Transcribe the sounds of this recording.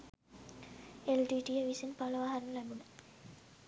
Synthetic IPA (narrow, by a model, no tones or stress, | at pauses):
elʈiːʈijəʋisinpaləʋaːɦaɾnəlɛbunə